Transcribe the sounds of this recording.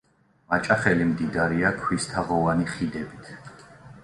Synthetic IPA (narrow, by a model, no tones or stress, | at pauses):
mat͡ʃʼaχɛlimd̪id̪aɾiakʰwist̪ʰaʁɔvaniχid̪ɛbit̪ʰ